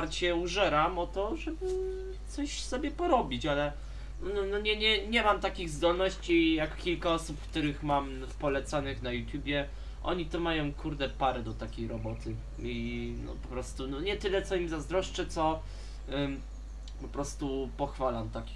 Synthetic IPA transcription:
aɾt͡ɕɛuʐɛɾamɔt̪ɔʐɛbɘ | t̪sɔɕsɔbʲjɛpɔɾɔbʲit͡ɕalɛ | ɔnɔnɔɲɛɲɛɲɛmamt̪akʲiɣzd̪ɔlnɔɕt͡ɕijakkʲilkaɔsupkt̪uɾɘxmam | pɔlɛt̪sanɘxnajut̪ʲjubʲjɛ | ʔɔ̰ɲit̪ɔmajɔ̃w̃kʰuɾd̪ɛpaɾɛd̪ɔt̪akʲejɾɔbɔt̪ʰɘ | inɔ̰pɔpɾɔst̪unɔɲɛt̪ɘlɛt̪sɔimzazd̪ɾɔʂt͡ʂɘt̪sɔ | pɔpɾɔst̪upɔxfalamt̪akʲi

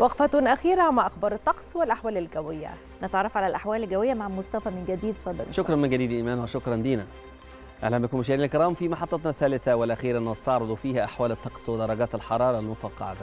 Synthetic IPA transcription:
wɑqfæt̪ʊnʔæxiːɾaʕomaʕʔɑxbɑːɾˤet̪ˤːɑqsˤwelʔaħwæːlelɡæwɪjːæ̰ | net̪ʕɑrˤːɑfʕalælʔaħwæːlelɡæwɪjːæmaʕmʊst̪æfæmɪnɡæd̪iːd̪fɑd̪ˤːɑ̰lʃokɾˤɑnmɪnɡæd̪iːd̪ʔiːmæːnwæʃokɾˤɑnd̪iːnæ | ʔæ̰lːæmʔækuːnmʊʃ̬æːɾinælkeɾɑːmfimæħɑt̪ˤːɑt̪nɑθːæːlɪθæwelʔæxiːɾʔænːwɑst̪ɑʕɾˤɑd̪ˤfiːhæʔaħwæːlɪt̪ˤːɑqsˤwed̪ɑɾˤɑɡæːt̪ælħɑɾˤɑːɾˤɑlmofɑqːɑ̰ʕɑ̰

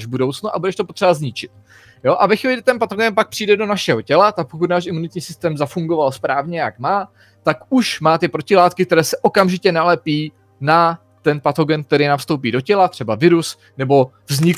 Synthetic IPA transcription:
ʒbudo̞wt͡snuʔa̰budɛʃt̪o̞po̞t̪r̥ɛbazɲɪt͡ʃɪt̪ | jo̞ʔavɛxviːlɪɡdɪt̪ɛnpat̪oɡɛnpak̚pr̝̥ijdɛdo̞naʃɛɦo̞cɛlat̪ak̚pokut̪naːʃɪmunɪt̪ɲiːsɪst̪ɛːmzafuŋɡo̞valspɾaːvɲɛjakmaː | t̪akuʃmaːt̪ɪpɾo̞cɪlaːt̪kɪk̚t̪ɛɾɛːsɛʔo̞kamʒɪcɛnalɛpiː | na | t̪ɛnpat̪o̞ɡɛnk̚t̪ɛɾɪnamfst̪owp̬iːdo̞cɛlat̪r̥ɛbavɪɾus | nɛbo̞ | vzɲɪk

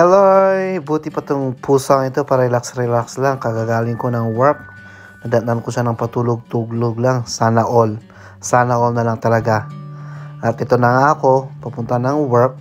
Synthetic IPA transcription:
hɛlojbuːt̪ɪpɐt̪oŋpʰuːsoŋɪt̪o̞pɐɾɛlaksɾɛlakslaŋkɐɡaːɡaːlɪŋko̞nɐŋwɛɹk̚ | nɐd̪ɐnankoʃanɐŋpɐt̪uːloɡ̚t̪uɡloɡ̚laŋsaːnɐʔol | saːnɐʔolnɐlaŋt̪ɐlɐɡa | ʔɐt̪ʔɛt̪o̞nɐŋaʔɐko̞pɐpʊnt̪anɐŋwɛɹk̚

